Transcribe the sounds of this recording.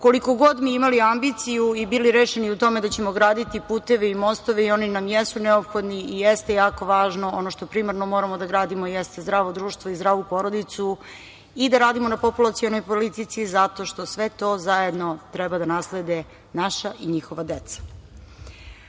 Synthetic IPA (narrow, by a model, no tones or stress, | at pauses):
ko̞liko̞ɡod̪miimaliambit̪sijuibiliɾeːʃeniut̪o̞me̞d̪at͡ɕe̞moɡɾaːd̪it̪ipuːt̪e̞ʋeimo̞st̪oʋeio̞ninamjesuneopxo̞d̪niijest̪ejaːko̞ʋaːʒno̞onoʃt̪o̞pɾimaɾno̞mo̞ːɾamo̞d̪aɡɾaːd̪imojest̪ezd̪ɾaːʋod̪ɾuːʃt̪voizd̪ɾaːʋupo̞ɾo̞d̪it̪su | id̪aɾaːd̪imo̞napopulˠat̪sio̞nojpolit̪it̪sizat̪o̞ʃt̪o̞sʋet̪o̞ːzajed̪no̞t̪ɾɛbad̪anasled̪e | naʃaʔiɲixo̞ʋad̪et̪sḁ